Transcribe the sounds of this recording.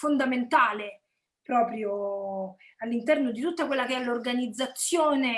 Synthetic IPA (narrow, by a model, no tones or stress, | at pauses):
fond̪ament̪aːle | pɾɔːpɾjo | alːint̪ɛrnod̪it̪ut̪ːakwelːakeɛlːorɡanid̪zːat̪sːjoːne